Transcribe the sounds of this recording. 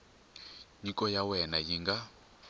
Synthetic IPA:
ɲikʼɔjawɛnajiŋɡa

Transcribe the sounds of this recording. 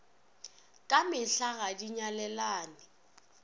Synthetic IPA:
kʼamɪɬaɣadiɲalɛlaːnɪ

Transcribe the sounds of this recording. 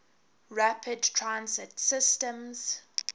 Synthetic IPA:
ɹapʰɪdtʰɹãnsɪtsɪstə̃mz̥

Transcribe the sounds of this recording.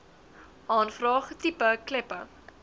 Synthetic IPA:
ʔɑːnfrɑːχtipəklɛpə

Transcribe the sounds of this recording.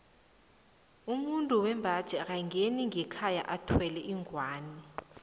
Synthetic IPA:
umuntʼuwɛmbʱad̥ʒ̥ʱɛk̬ajŋeniŋʱɛkʰaja̰ʔatʰwɛlɛʔiŋwaːni

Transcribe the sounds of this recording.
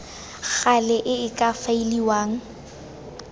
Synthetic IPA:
ɣalɛʔɪɪkʼafailiwaːŋ̩

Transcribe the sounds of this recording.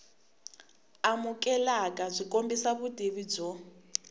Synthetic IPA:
amukʼɛlakʼazʷikʼombisaβudʱiβid͡zɔ

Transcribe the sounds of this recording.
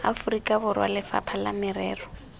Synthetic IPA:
a̰fʊrikʼabʊrwa̰lɪfa̰pʰalamɪrɛːrɔ

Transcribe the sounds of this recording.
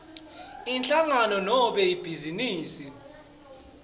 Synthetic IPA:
int͡ɬʼaŋanɔnɔɓɛib̥ʱiziniːsi

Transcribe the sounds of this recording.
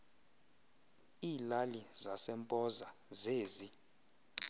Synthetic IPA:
iːlalizasɛmpʼɔzazeːzi

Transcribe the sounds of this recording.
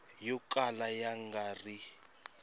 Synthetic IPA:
jɔkʼalajaŋɡaːri

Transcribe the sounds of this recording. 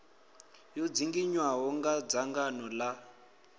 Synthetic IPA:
jɔd͡ziŋɡiɲwaɦɔŋɡad͡zaŋɡanɔla

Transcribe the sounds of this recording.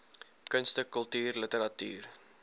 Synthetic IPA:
kənstəkəlˠtyːrlətəɾɐty̰ːr

